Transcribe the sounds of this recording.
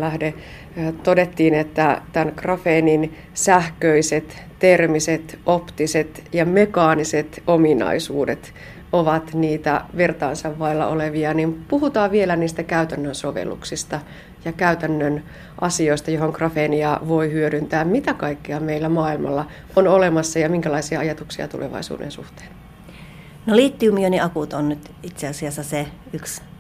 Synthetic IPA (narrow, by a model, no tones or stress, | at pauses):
læhde | t̪odet̪ːiːnet̪ːæt̪ænkrɑfeːnin | sæhkøiset̪ | t̪ermiset̪opt̪iset̪jɑmekɑːniset̪ominɑ̰isṵːdet̪ | oʋɑt̪niːt̪æ̰ʋirt̪ɑ̰ːnsɑʋːɑilːɑ̰ʔoleʋiɑnimpuhut̪ɑːʋʋielæniːst̪ækæyt̪ænːønsoʋḛlːṵksist̪ɑ | jɑkæyt̪ænːøn | ʔɑsioist̪ɑjoɦoŋkrɑfeniɑʋoihyøɾynt̪æːmmit̪ækɑikːiɑmeilːæmɑːilmɑ̰lːɑ | onolemɑsːɑjɑmiŋkælɑisiɑɑjɑt̪uksiɑ̰t̪ṵlḛʋɑ̰isṵːdḛnsṵht̪e̥ːn | noliːt̪ːyumioniʔɑkut̪onnyt̪ | it̪seɑsiɑsːɑse | yks